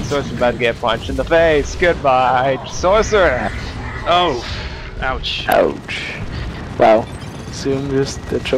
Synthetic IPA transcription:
sɔɹsə˞batɨɡɛt̚pʰʌ̃nt͡ʃɨ̃n̩ðəfeɪsɡ̥ʊd̚baɪ̥sɔɹsə˞ | oʊ | aʊt͡ʃa̰ʊt͡ʃ | wʔalˠ | sʉ̃md͡ʒɨsðɨtʰɹ̥ɪ

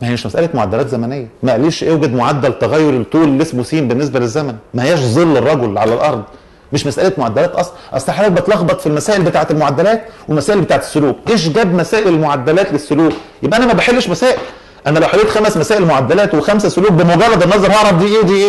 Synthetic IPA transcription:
mæheæʃmæsʔælæt̪moʕad̪ːælæːt̪zæmænejːæmæʔæliːʃʔewɡæd̪moʕad̪ːælt̪æɣæjːoɾet̪ˤːuːlelːesmosiːmbenːes̬bælezːæmænmæhæjæːʃzˤelːerˤːɑɡolʕalælʔɑɾˤd̪ˤ | meʃmæsʔælæt̪moʕad̪ːælæːt̪ʔɑsˤlɑʔæ̰sˤt̪ɑħalæːt̪̚bet̪lɑɣbɑt̪ˤfilmæsæːʔelbet̪aːʕet̪elmoʕad̪ːælæːt̪welmæsæːʔelbet̪aːʕet̪e̥sːoluːk̚ʔeːʃ̬ɡæbmæsæːʔellmoʕad̪ːælæːt̪lesːoluːkjebʔæænæmæbeħelːeʃmæsæːʔel | ʔænælæwħaɡeːt̪xæmæsmæsæːʔelmoʕad̪ːælæːt̪wexæmsæsoluːk̚bemoɡærˤːɑd̪ˤɑnɑʔzˤɑɾˤɑʕɾˤɑfd̪iːʔeːd̪iːʔeː

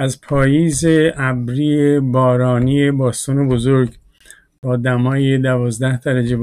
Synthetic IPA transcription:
æzpʰɒːjiːzeʔæbɾiebɒːɾɒːniːebɒːst̪ɒːnebo̞zoɾɡ | b̥ɒːd̪æmɒːjed̪ævɒːzd̪æhd̪æɾæd͡ʒe

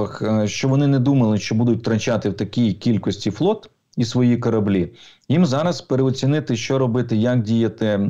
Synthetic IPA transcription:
ɐxʃt͡ʃɔʋɔnɪnɛd̪umɐlˠɪʃt͡ʃɔbud̪ʊt̚ʲt̪ɾɐt͡ʃat̪ɪwt̪ɐkʲijkʲilʲkɔsʲtʲiflˠɔt̪ | isʋɔjikɔɾɐblʲijimzɑɾɐspeɾeɔt͡sʲinɪt̪ɪʃt͡ʃɔɾɔbɪt̪ɪjɐk̚dʲijɐt̪ɪ

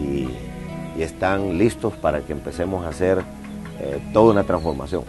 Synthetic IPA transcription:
i | est̪aŋlist̪ospaɾakeeːmpe̞se̞mosaseɾ | ḛt̪oðounat̪ɾansfo̞ɾma̰sjo̰ŋ

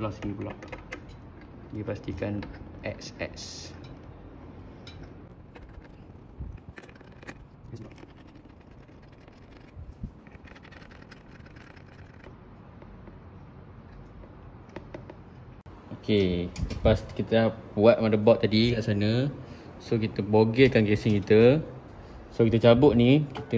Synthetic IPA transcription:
lɔsiniblɔ̰ʔ | dipast̪ikanʔɛ̰ksɛ̰ks | okeləpaskit̪əabuat̪̚madəbɔʔt̪ːadikaʔsanəsokit̪əboɡəkankesɪŋkit̪ə | sokit̪ət͡ʃabʊʔ̪̚nikit̪ə

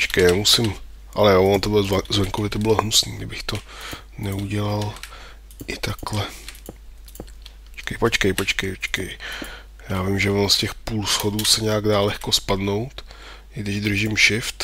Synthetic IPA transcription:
pot͡ʃkɛjɛmusɪm | ʔa̰lɛjovont̪obɪlzvɛŋkovɪt̪obɪloɦnusniːɡdɪbɪxt̪o | nɛuɟɛlal | ʔɪt̪aklɛ | ot͡ʃkɛjpot͡ʃkɛjpot͡ʃkɛjpot͡ʃkɛj | jaːvɪmʒɛvonoscɛxpuːlsxoduːsɛɲɛaɡdaːlɛxko̞spadno̞wt̪ | ʔɪɡdɪʒd̪r̩ʒɪmʃɪft̪

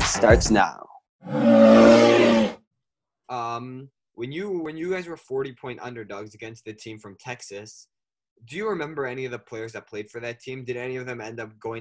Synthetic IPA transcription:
stɑɹtsna̰ʊ | ʌ̃m | wɨ̃njɨwɨ̃njɨɡaɪzwə˞fɔɹɾipʰɔ̃ɪ̃ntʌ̰̃ndə˞dʌɡzɨɡɛ̃nst̪̚ðɨtʰĩɱfɹʌ̃mtʰɛksɨs | d̥ɨjɨɹɨmɛ̃mbə˞ɛniʌvðɨpʰl̥eɪə˞zðɨt̚pʰl̥eɪd̥fə˞ðɨtʰĩmdɨɾ̩ɛniʌvðɨ̃mɛ̃ndʌp̚ɡ̥oʊɪ̃

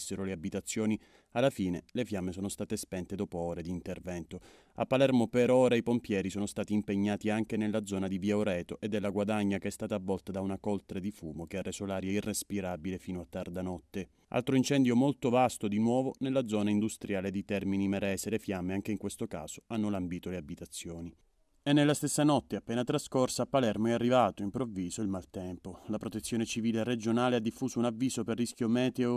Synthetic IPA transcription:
sːeɾoleabit̪at̪sːjoːni | alːafiːnelefjamːesɔːnost̪aːt̪espɛnt̪ed̪ɔːpoɔːɾed̪iːnt̪ervɛnt̪o | a̰pːalɛrmopeɾɔːɾaipompjɛːɾisɔːnost̪aːt̪iːmpeɲːaːt̪iaŋk̟enelːad̪zɔːnad̪iviaoɾɛːt̪oʔed̪ːelːaɡwad̪aɲːakeɛst̪aːt̪aːvːɔlt̪ad̪aunakɔlt̪ɾed̪ifuːmokeɛɾesolaːɾjɛirːespiɾabilefiːnoat̪ːard̪anɔt̪ːe | ʔa̰lt̪ɾoint͡ʃɛnd̪jomolt̪ovast̪od̪inwɔːvonelːad̪zːɔːnaind̪ust̪ɾjaːled̪it̪ɛrminimɛɾɛːselefjamːeaŋk̟eiŋkwest̪oka̰ːz̥oanːolambiːt̪oleabit̪at̪sːjoːni | ɛnːelːast̪esːanɔt̪ːeapːɛːnat̪ɾaskorsaːpːalɛrmoɛarːivaːt̪oimpɾovːiːzoilmalt̪ɛmpolapɾot̪et̪sːjoːnet͡ʃiviːlered͡ʒonaːlead̪ːifːuːsounavːiːsoperːisk̟jomɛːt̪eo

